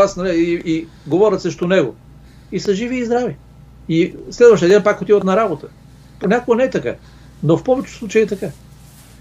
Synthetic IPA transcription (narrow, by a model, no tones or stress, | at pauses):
asnɐlɛi | ɡovɔɾʲət̪səʃt̪onɛɡo̰ | isəʒiviːzd̪ɾavi | islɛd̪vɐʃt̪əɐd̪ɛnpakot̪ivət̪nɐɾabot̪ə | ponʲakoɡənɛɛt̪ɐka̰ | nofpɔvɛt͡ʃɛ̥sˠut͡ʃəjiɛt̪ɐka